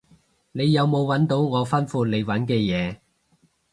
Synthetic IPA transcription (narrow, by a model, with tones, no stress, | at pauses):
ne˨˧jjɐ˨˧wmo˨˧wwɐ˨˥nt̪o˨˥wŋɔː˨˧fɐ˥nfuː˧le˨˧jwɐ˨˥nkɛː˧jɛː˨˧